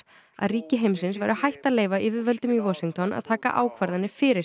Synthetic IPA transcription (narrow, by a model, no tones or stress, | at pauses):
a̰ðriːcɪɦejmsɪnsvajɾʏahajht̪aleːjvaʔɪvɪvœlt̪ʏmivɔsiŋt̪ʰɔna̰ðt̪ʰaːka̰ʔaːwkʰvaɾðanːɪfɪɾɪ